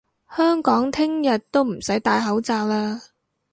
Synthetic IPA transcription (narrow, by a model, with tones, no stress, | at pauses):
hœː˥ŋkɔː˨˥ŋt̪ʰɪ˥ŋjɐ˨t̚t̪o˥wm̩˨˩sɐ˨˥jt̪aː˨˧jɦɐ˨˥wt͡saː˨˧w̚laː˥